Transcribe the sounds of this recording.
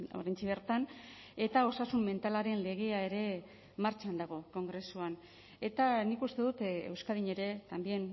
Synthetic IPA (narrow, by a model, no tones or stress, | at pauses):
o̰ɾajnt͡ʃiβeɾt̪an | e̞t̪ao̞sasumme̞nt̪alaɾe̞nle̞ɣ̞e̞ae̞ɾe̞ | maɾt͡ʃand̪aɣ̞o̞ko̞ŋɡɾe̞suan | e̞t̪anikust̪e̞ðut̪ḛwskaðiɲe̞ɾe̞t̪ambje̞n